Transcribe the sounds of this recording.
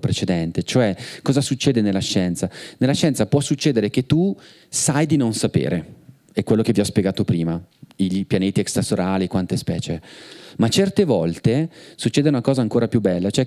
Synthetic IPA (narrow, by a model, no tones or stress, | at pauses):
pɾet͡ʃed̪ɛnt̪et͡ʃoɛkɔːzasut͡ʃːeːd̪enelːaʃːɛnt̪sanelːaʃɛnt̪sapwɔsut͡ʃːeːd̪eɾek̟et̪ːu | sajd̪inonsapḛːɾe | ɛkːwelːokeviɔspjeɡaːt̪opɾiːmaiʎpjaneːt̪iɛkst̪asoɾaːlikwant̪espɛ̰ːt͡ʃemat͡ʃɛrt̪evɔlt̪esut͡ʃːeːd̪eunakɔːzaːŋkoːɾapjubːɛlːat͡ʃoɛ